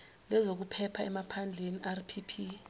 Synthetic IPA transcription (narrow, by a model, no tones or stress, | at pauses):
lɛzok̬upʰɛpʰaɛmapʰand͡ɮʱeniʔarpʰipʰi